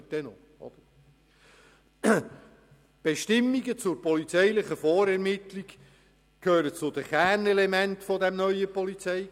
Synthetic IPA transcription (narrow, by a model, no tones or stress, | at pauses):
d̥ɛno | ɔ̰d̪̥ə | b̥eʃtɪmːiɡət͡sʊɾpɔlit͡sɛjlɪχəfɔːɾɛɾmɪt̪liɡ | kʰhøːɾət͡sʊd̥̪əχænɛlɛmɛntfɔd̪ɛmnœʏəpɔlit͡sɛɪ